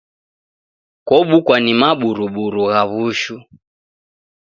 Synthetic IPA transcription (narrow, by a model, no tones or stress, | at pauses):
kɔɓukwanimaɓuɾuɓuɾuɣaβuʃu